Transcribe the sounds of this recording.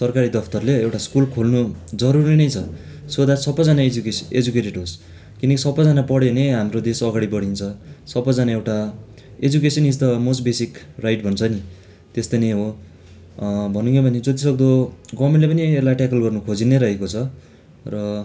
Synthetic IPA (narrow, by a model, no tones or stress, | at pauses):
sʌrkaɾid̪ʌpʰt̪ʌrleewʈaskulkʰolnud͡zʌɾurinʌjt͡sʰʌ | sod̪asʌbːʌjd͡zanakeḛd͡zukeʈeʈɦos | kinʌkisʌbːʌjd͡zanapʌɽeneɦamrod̪esʌɡaɽibʌɽ̤int͡sʰʌsʌbːʌd͡zanaewʈa | ed͡zukesʌnid͡zt̪ʌmosʈbesikrajʈbʱʌnt͡sʰʌni | t̪est̪ʌneɦo | bʱʌnuŋkʰebʱʌned͡zʌt̪̬isʌɡd̪oɡʌmelepʌnielajʈakʌlɡʌrnukʰod͡zineɾʌɦekot͡sʰʌ | rʌ